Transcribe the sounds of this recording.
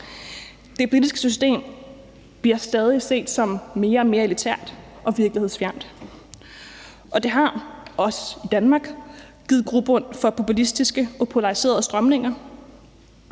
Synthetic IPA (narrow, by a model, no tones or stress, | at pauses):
d̥e̝b̥ʁid̥isɡ̥ə̥sysd̥e̝̰ːm | b̥liɐ̰sd̥ɛð̞ˠise̝̰ːd̥sɒ̽mːe̝ːɐɒ̽me̝ːɐe̝lit͡sʰæɐ̰d̥ | ʔɒ̽ʋiɐɡ̥lihe̝ð̰ˠsfjæɐ̰m̰d̥ | ʔɒ̽d̥e̝ɦɑ̈ɒ̽sə̥id̥ænmɑ̈ːɡ̥ | ɡ̥ið̩ˠɡ̥ʁub̥ɔn̰fɒ̽pʰo̝pulisd̥isɡ̥əɒ̽pʰo̝lɑ̈ʁise̝̰ːɐðˠsd̥ʁɶmne̝ŋɐ